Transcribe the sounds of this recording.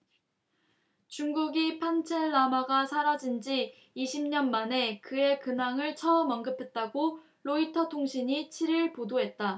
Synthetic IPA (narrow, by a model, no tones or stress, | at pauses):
t͡ɕuŋɡuɡipʰant͡ɕʰeɭːamaɡasʰaɾad͡ʑind͡ʑiː | ɕʰimɲʌnmane̞kɯe̞kɯnaŋɯɭt͡ɕʰʌɯmʌnɡɯpʰe̞t̚t͈aɡo | ɾoitʰʌtʰoŋɕʰiɲit͡ɕʰiɾiɭpodoɦe̞t̚t͈a